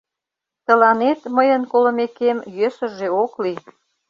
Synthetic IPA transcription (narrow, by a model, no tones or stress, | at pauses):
t̪əlɑnet̪məjənkolə̆mekemjøsə̆ʒeokli